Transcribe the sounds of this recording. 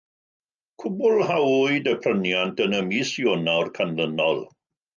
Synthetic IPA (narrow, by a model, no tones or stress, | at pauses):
kʰʊbʊlˠhawuɨdəpʰrənjantənəmiːsjɔnawrkʰanðənɔ̰lˠ